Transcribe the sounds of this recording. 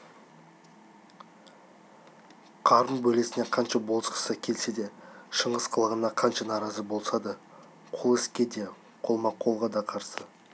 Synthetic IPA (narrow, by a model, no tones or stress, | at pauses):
qʰɑɾənbɵle̞sɪne̞qʰɑnʃɑbolˠəsqə̥səkʲʰe̞lse̞d̪e̞ʃəɴəzqʰəlˠəʁənɑqʰɑnʃɑnɑɾɑzəbo̞lˠsɑd̪ə | qʰʊlˠɪskʲe̞d̪e̞ | qʰo̞lˠmɑqʰo̞lˠʁɑd̪ɑqʰɑɾsə